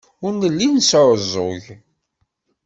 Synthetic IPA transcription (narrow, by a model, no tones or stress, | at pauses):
ʊɾnəlːinsɾˤəzˤʊ̰ʝ